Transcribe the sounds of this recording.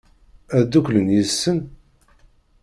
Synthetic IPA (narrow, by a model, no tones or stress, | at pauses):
æd̪ukʷlənjəsːən